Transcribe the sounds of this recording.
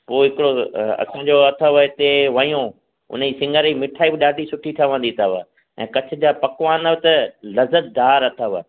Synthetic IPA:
poːɦɪkɪɽoɐ̰sãːd͡ʑoɐt̪ʰəʋət̪eʋɐjõ | ʊ̰n̤d͡ʑiːsɪ̃ŋɡʱəɾiːmɪʈʰaːibɪɗaːɖʱisʊʈʰit̪ʰəʋə̃nd̪it̪ʰəʋə̰ | ɛ̰̃ːkɐt͡ɕʰɪ̆d͡ʑaːpɐkʋaːnəʋt̪ɐlɐzət̪̚d̪aːɾɐt̪ʰəʋə̰

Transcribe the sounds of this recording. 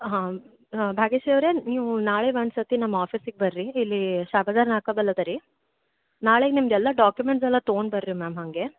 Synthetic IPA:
ɦãː | bʱaːɡeʃijɐʋɾeniːʋunaːɭeʋɐɳɖsɐt̪inɐmːaːpʰisiɡ̚ebɐɾɾiilːiʃaːbad̪aːɾnaːkod̪ɐlːɐd̪ɐɾi | naːɭeɡenimd̪ɛlːɐɖaːkjumeɳʈsɛlːɐt̪ooɳɖbɐɾɾimaːmɦɐŋɡe

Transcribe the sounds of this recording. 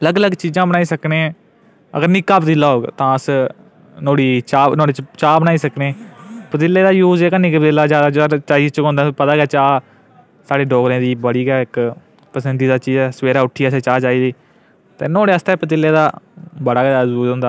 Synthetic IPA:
ləɡləɡt͡ʃiːzãːbəñaːiːsəkneː | ə̰ɡəɾnɪkːaːpət̪ɪlːaːɦoːɡt̪ãːəs | noːɽiːt͡ʃaːnoːɽiːt͡ʃt͡ʃaːbəñaːiːsəkneːpət̪ɪlːeːd̪aːjuːzeːkənɪkpət̪ɪlːaːd͡ʒjaːd̪aːd͡ʒəəɾt͡ʃaːiːzt͡ʃəkõnd̪ãpət̪aːɡɛːt͡ʃaː | saːɽeːɖɔːɡɾẽːd̪iːbəɽiːɡɛːɪk | pəsənd̪iːd̪aːt͡ʃiːzɛːsəʋeːɾaːʊʈʰːiːaseːt͡ʃaːt͡ʃaːiːziː | t̪eːnoːɽeːəst̪ɛːpət̪̬ɪlːeːd̪aːbəɽaːɡauːd͡ʒõnd̪aː

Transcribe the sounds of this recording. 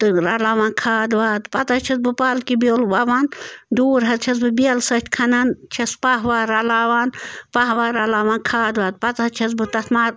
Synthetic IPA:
t̪ɨɾalaːʋaːnkʰaːd̪ʋaːt̪pɐt̪ɐt͡ʃʰɐs̚bɨpaːlkibolʋaʋaːnd̪uːɾɦɐt͡ʃʰɐs̬bɨbiɐlsɐt̪ʲkʰɐnɐnt͡ʃʰɐspaɦʋaːɾalaːʋaːnpɐɦʋaːɾaːlaːʋaːnkʰaːd̪ʋaːt̪̚pɐt̪ɦɐt͡ʃʰɐs̬bɨt̪ɐt̪ʰmaːɾ

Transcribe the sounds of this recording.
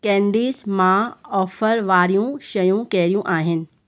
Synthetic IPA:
kɛ̃ːɳɖiːzmãɔːfəɾʋaːɾijũʃɐjũkɐɦɪɾijũʔaːɦɪnɪ̆

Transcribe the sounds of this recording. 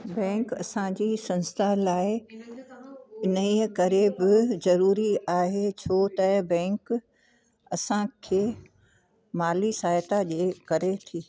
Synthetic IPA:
bɛ̃ːŋkɐ̰sãd͡ʑiːsɐ̃nst̪ʰalaːɪ | ɪnəiːəkɐɾebɪzɐɾuːɾiaːɦet͡ɕʰoːt̪ɐbɛ̃ːŋk | ɐsãkʰeː | maːlisaːjt̪aʄeːkɐɾet̪ʰiː

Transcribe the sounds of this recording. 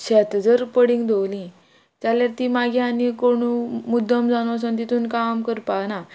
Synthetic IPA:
ɕɛt̪d͡zəɾpəɽĩŋɡd̪ʱowlĩ | t̪jaljaɾt̪iːmaɡʱianikoɽ̃umud̪ʱːəmd͡zanos̬ənt̪it̪uːnkamkəɾpana

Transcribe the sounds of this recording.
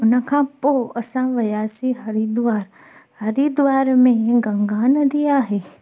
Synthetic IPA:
ʊnə̆kʰãːpoɐsãʋɐjaːsiɦɐɾid̪ʊʋaːɾ | hɐɾid̪ʊʋaːɾmẽɡɐ̃ŋɡaːnəd̪iaːɦeː

